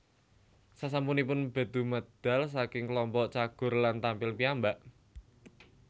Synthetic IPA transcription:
sas̬ampunipʊnb̥a̤d̪̥ṳməd̪̥a̤ls̬akɪŋkəlɔmpɔʔt͡ʃaɡ̥ʊ̤rlant̪ampɪlpiambaʔ

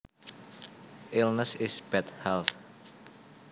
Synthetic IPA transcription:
ʔɪlnəsɪsb̥ɛt̪̚hɛlθ

